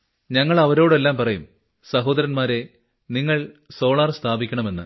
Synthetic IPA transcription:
ɲɐŋːɐɭɐʋɐɾoːɽe̞lːaːmpɐrɐjum | sɐɦo̞ːd̪ɐɾɐnmaːɾe̞ | niŋːɐɭso̞ːɭaːrst̪ʰaːbikʲːɐɳɐme̞nːɨ̰

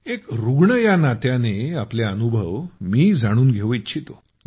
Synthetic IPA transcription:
ekɾuɡɳəjanat̪janeapleənubʱəʋmiːd͡zaɽ̃uːnɡʱeʋəitːɕʰit̪o

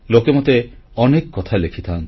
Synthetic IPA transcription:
lokemot̪e | ɔnekːɔt̪ʰalekʰi̥t̪ʰan

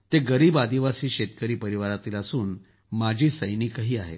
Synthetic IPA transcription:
t̪eɡəɾiːbad̪iʋasiːɕet̪kəɾiːpəɾiʋaɾat̪iːləsuːn | mad͡ʑʱiːsəjniːkaɦiːaɦḛt̪

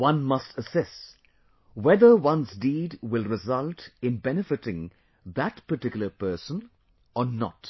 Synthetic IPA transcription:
wʌ̃nmʌstʰəsɪst | wɛðə˞wʌ̃nzdiːdwɪlɹɪzʌltɪ̃nbɛnɨfɪtɪ̃ŋ | ðætpəʈɪkjl̩ˠəpɜ˞sə̃n | ɔnə̰t

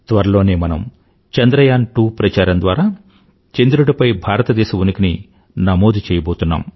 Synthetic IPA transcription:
t̪ʋɐɾɐlo̞ːne̞ːmɐnɐm | t͡ʃɐnd̪ɾɐjaːnʈuːpɾɐt͡ʃaːɾɐnd̪ʋaːɾaː | t͡ʃend̪iɾuɽɐpɐjbʱaːɾɐt̪ɐd̪ɛːʃɐʋunɐkini | nɐmoːd̪ut͡ʃɛːjɐboːt̪unːa̰ːm

